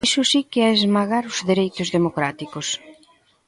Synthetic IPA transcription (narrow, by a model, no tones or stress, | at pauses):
sʊsikɪaezmaɣaɾʊzðeɾejt̪ʊzðemokɾat̪ikʊs